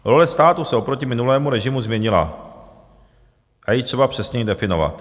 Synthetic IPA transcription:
ɾo̞lɛst̪aːt̪usɛo̞pɾo̞cɪmɪnulɛːmuɾɛʒɪmuzmɲɛɲɪla̰ | ʔajit̪r̥ɛbapr̥ɛsɲɛjidɛfɪno̞va̰t̪

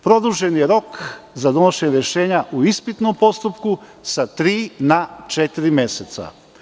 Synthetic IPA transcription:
pɾo̞d̪uʒe̞njeɾo̞kzad̪o̞noʃeɲɾjeʃe̞ːɲaʔuispit̪no̞mpo̞st̪upku | sat̪ɾiːnat͡ʃet̪iɾimje̞set̪sa̰

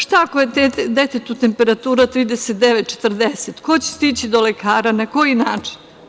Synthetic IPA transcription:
ʂt̪aakojet̪ed̪e̞t̪et̪ut̪e̞mpe̞ɾat̪uːɾat̪ɾiːd̪eset̪̚d̪eʋet̪̚t͡ʃe̥t̪r̩d̪eset̪ko̞t͡ɕe̥st̪it͡ɕid̪o̞le̞kʰaːɾanako̞jinaːt͡ʂi̥n

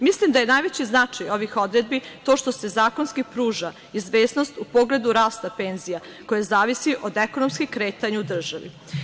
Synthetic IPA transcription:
mislimd̪aje̞najʋet͡ɕiznat͡ʂajo̞ʋixo̞d̪ɾe̞d̪̚bit̪o̞ʃt̪o̞se̞zaːko̞nskipɾuːʒa | izʋe̞ːsno̞st̪upo̞ɡle̞d̪uɾaːst̪ape̞ːnzija | ko̞jazaːʋisiʔo̞d̪ekonomskikɾe̞ːt̪aɲaud̪r̩ʒaʋḭ

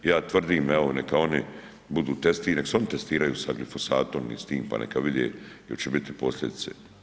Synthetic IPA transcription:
jaːt̪ʋr̩d̪iːmɛʋonekao̞ni | bud̪uːt̪est̪inekseo̞nit̪est̪iːɾajuːsaɡlifo̞sa̰ːt̪o̞mnḭst̪iːmpa̰nʔḛkaʋid̪jeːjo̰t͡ʃebit̪ipo̞slʲʎʲe̞d̪it̪sḛ

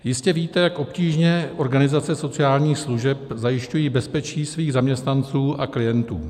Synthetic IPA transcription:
jɪscɛviːt̪ɛjakʔo̞pciːʒɲɛʔo̞ɾɡanɪzat͡sɛso̞t͡sɪaːlɲiːxsluʒɛpzajɪʃcujiːbɛspɛt͡ʃiːsviːɣzamɲɛst̪nant͡suːʔaklɪjɛnt̪ṵː

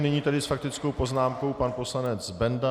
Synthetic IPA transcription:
nɪɲiːt̪adɪsfak̚t̪ɪt͡skowpo̞znaːmko̞wpanpo̞slanɛd͡zbɛnda

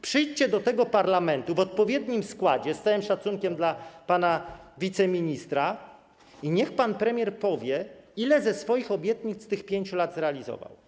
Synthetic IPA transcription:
pʂɘjt͡ɕɛd̪ɔt̪ɛɡɔpaɾlamɛnt̪uvɔt̪̚pɔvʲjɛd̪ɲimskwad͡ʑɛst̪awɘmʂat̪suŋkʲɛmd̪lapanavʲit̪sɛmʲiɲist̪ɾa | iɲɛxpanpɾɛmʲjɛɾpɔvʲjɛilɛzɛsfɔjixɔbʲjɛt̪ɲit̪st̪ɘxpʲjeɲt͡ɕulad̪zɾɛalʲizɔ̰va̰w

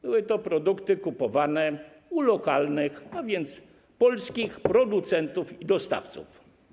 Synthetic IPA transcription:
b̥ɘwɘt̪ɔpɾɔd̪ukt̪ɘkupɔvanɛ | ulɔkalnɘxavʲjɛnt̪s | pɔlskʲixpɾɔd̪ut̪sɛnt̪ufid̪ɔst̪a̰ft̪sṵf

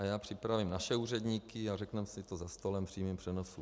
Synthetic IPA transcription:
ajaːpr̝̥ɪpɾavimnaʃɛuːrɛdɲiːkɪarɛknɛmsɪt̪ozast̪o̞lɛmpr̥iːmimpr̥ɛnosu

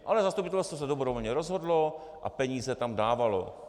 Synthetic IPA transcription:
ʔalɛzast̪upɪt̪ɛlst̪vosɛdobɾovolɲɛɾozɦodlo̞ | ʔa̰pɛɲiːzɛt̪amdaːvalo̰

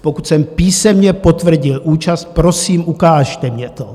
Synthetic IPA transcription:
pokut̪sɛmpiːsɛmɲɛpot̪vr̩ɟɪlʔuːt͡ʃast̪̚pɾosiːmʔukaːʃt̪ɛmɲɛt̪o

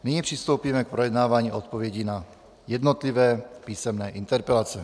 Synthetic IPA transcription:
niɲipr̥ɪst̪o̞wpiːmɛk̚pɾojɛd̪naːvaːɲiːʔot̪̚po̞vjɛɟina | jɛd̪not̪livɛːpiːsɛmnɛːʔint̪ɛɾpɛlat͡sɛ

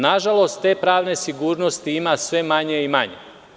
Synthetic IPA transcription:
naʒalˠo̞st̪ːe̞ːpɾaːʋne̞siɡuːɾno̞st̪iimasʋe̞maɲe̞imaɲḛ

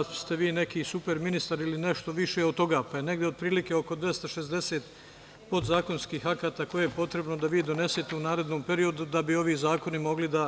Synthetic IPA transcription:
st̪e̞ʋiːne̞kiːsupe̞ɾminist̪aɾilineʃt̪o̞ʋiʃeod̪̚t̪o̞ɡaːpaje̞ne̞ɡd̪eod̪̚pɾiːlike̞o̞ko̞d̪ʋjest̪aʃe̞zd̪e̞seːt̪ | pot̪zaːko̞nskiːɦakaːt̪aːko̞jejepo̞t̪ɾe̞bno̞d̪aʋiːd̪o̞ne̞set̪e̞unaːɾe̞d̪no̞ːmpe̞ɾio̞d̪ud̪abio̞ʋiːzaːko̞nimo̞ɡlid̪a

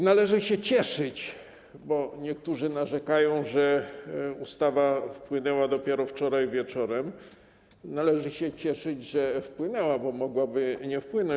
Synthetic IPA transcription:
nalɛʐɘɕɛt͡ɕɛʂɘt͡ɕ | bɔɲɛk̚t̪uʐɘnaʐɛkajɔ̃w̃ʐɛ | ust̪avafpwɘnɛwad̪ɔpʲjɛɾɔft͡ʂɔɾajvʲjɛt͡ʂɔɾɛm | nalɛʐɘɕɛt͡ɕɛʂɘd͡ʑʐɛfpwɘnɛwabɔmɔɡwabɘɲɛfpwɘnɔ̃

